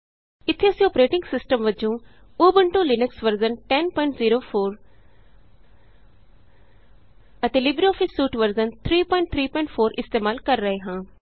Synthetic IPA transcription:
ɪt̪ʰːeɐsĩɔːpɾeːʈɪ̃ŋɡsɪsʈəmʋəd͡ʒõː | oːbəɳʈõːlɪnəksʋəɾzənʈɛnpɔːɪ̃ɳʈziːɾoːpʰoːɾ | ət̪eːlɪbɾiɔːfʰɪsːuːʈʋəɾzənt̪ʰɾiːpɔːɪ̃ɳʈ̚t̪ʰɾiːpɔːɪ̃ɳʈpʰoːɾʔɪst̪eːmaːlkəɾːəɦeɦãː

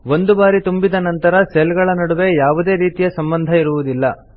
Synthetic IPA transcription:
ʋo̞nd̪ubaːɾit̪umbid̪ɐnɐnt̪ɐɾɐselɡɐɭɐnɐɽuʋe̞jaːʋud̪e̞ːɾiːt̪ijɐsɐmbɐnd̪ʱɐiɾuʋud̪ilːɐ

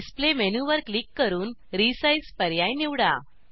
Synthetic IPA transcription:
isplemenuʋəɾklikːəɾuːnɾisajspəɾjajniʋɽa̰

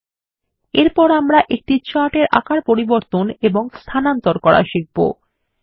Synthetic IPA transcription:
eɾpɔɾamɾaʔek̚ʈit͡ɕaʈeɾʔa̰kaɾpoɾiboɾt̪oneboŋst̪ʰanant̪oɾkɔɾa̰ʃik̚bo̰

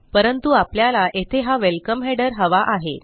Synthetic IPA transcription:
pəɾənt̪uapljalaʔet̪ʰeɦaʋelkəmɦɛɽəɾɦəʋaʔaɦe

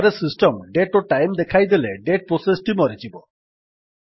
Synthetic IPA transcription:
ɾesisʈɔmɖeʈoʈajmd̪ekʰajd̪eleɖeʈ̚pɾɔsesʈimɔɾit͡ʃibɔ

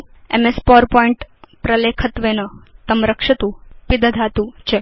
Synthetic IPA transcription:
ḛmespɔɾpɔiɳʈpɾɐlekʰət̪ʋeːnət̪ɐmɾəkʂɐt̪upid̪ʱɐd̪ʱaːt̪ut͡ʃe

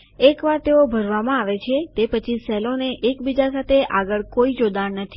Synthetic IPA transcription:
ekʋaɾt̪eobʱəɾʋamãaʋet͡ʃʰet̪epət͡ʃʰisɛloneʔekbid͡ʒasat̪ʰeʔaɡəɭkoid͡ʒod̪annət̪ʰi̥

